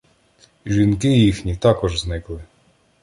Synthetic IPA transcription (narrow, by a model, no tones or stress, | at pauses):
ʒʲinkɪjixnʲit̪ɑkɔʒznɪklˠɪ